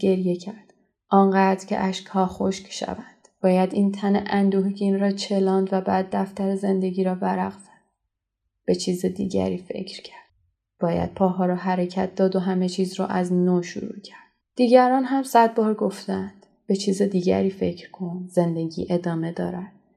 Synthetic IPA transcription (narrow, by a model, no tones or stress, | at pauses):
ɡe̞ɾje̞cʰæɾd̪̥ | ʔɒːnɢæːd̪ɾcʲʰḛʔæʃkhɒːxoʃcʃæ̰vænd̪̥b̥ɒːjæd̪iːnt̪ʰæneʔænd̪uːhɡiːnɾɒːt͡ʃʰe̞lɒːnd̪væbæːd̪ːæft̪æɾeze̞nd̪e̞ɡiːɾɒːbæɾæɣz̥ænd | b̥e̞t͡ʃʰiːzed̪ḭːɟæ̰ɾiːfe̞̰cʰɾcʰæ̥ɾd̪̥̚ | b̥ɒːjæ̰d̪̥̚pʰɒːɦɒːɾɒːɦæɾecʰæt̪̚ʰd̪ɒːd̪oɦæme̞t͡ʃʰiːzɾɔ̰ːʔæznoːʃṵɾṵːcʰæɾd̪̥̚d̪̥iːɟæɾɒːnɦæmsæd̪̚bɒːɾɡo̞ft̪ænd̪̥ | b̥e̞t͡ʃʰiːzed̪iːɟæ̰ɾiːfe̞cʰɾkʰo̞nze̞nd̪e̞ɟḭːʔe̞d̪ɒːme̞d̪ɒ̰ːɾæd̪̥